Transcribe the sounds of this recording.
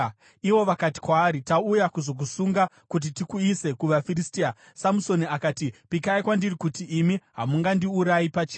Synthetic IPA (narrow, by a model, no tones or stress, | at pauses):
iʋo̞ʋakati̥kwaːɾitaujakuzo̞k̬usuŋɡa | kut̬itikuise̞kuʋafiristia | samuso̞niakaːtipikaikwandirikutiʔːmiɦamuŋɡandiuɾajipat͡ʃeː